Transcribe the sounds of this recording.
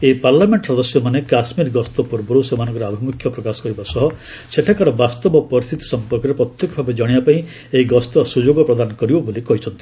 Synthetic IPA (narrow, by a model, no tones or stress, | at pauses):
epaɾlameɳʈɔsɔd̪ɔsjɔmanekasmiɾɡɔst̪ɔpuɾbɔɾusemanɔ̃ŋkɔɾeabʱimukʰːjɔpɾɔkasɔkɔɾibasɔɦɔ | seʈʰakaɾɔbast̪ɔbɔpɔɾist̪ʰit̪i̥sɔmpɔɾkɔɾepɾɔt̪jekɔbʱabed͡ʒɔɽ̃ibapaĩ | eiɡɔst̪ɔsud͡ʒoɡɔpɾɔd̪anɔkɔɾibɔbolikɔɦit͡ʃʰɔnt̪i